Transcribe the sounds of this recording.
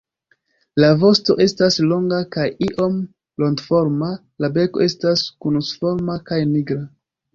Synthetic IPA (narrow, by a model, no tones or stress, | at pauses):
lavo̞sto̞̰ʔe̞staslo̞ŋɡakajiʔo̞m | lo̞ŋɡfo̞ɾma | labe̞ko̞ʔe̞staskunusfo̞ɾmakajniɡɾa